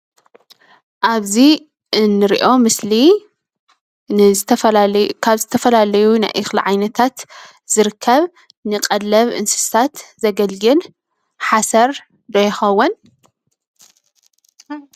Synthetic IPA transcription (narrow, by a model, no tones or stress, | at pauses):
ʔaβzi | ʔɨnːɨɾḭʔo̞mɨsli | nɨzɨt̪ʰɐkʰaβzɨt̪ʰɐfɐlalɐjuna̰jʔɨxlḭʕajnɐt̪ʰat̪ | z̥ɨɾɨkʰːɐβ | nɨkʼɐlːɐβʔɨ̰nsɨ̥st̪ʰat̪zɐɡɐlɡɨl | ħasɐɾ | d̪ɐjɪxɐwːɐn